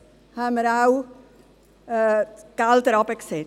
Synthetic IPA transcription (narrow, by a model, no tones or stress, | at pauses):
haməɾaw | kalt̪əɾɔpɛkse